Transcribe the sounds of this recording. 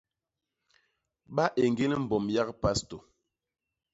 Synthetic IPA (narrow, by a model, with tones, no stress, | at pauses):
ɓa˦ʔe˨ŋɡe˦lm̩˨bɔ˨mja˦kpa˦sto˨